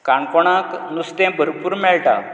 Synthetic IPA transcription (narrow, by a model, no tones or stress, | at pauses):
kaɳkɔɳ̃ãknust̪ɛ̃bʱəɾpuːɾmɛɭʈa̰